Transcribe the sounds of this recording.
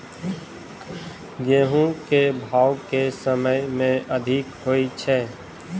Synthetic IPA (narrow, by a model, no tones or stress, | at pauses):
ɡeːɦũkebʱaːʊkesəməjmẽʔəd̪ʱɪkɦoːit͡ʃʰɛː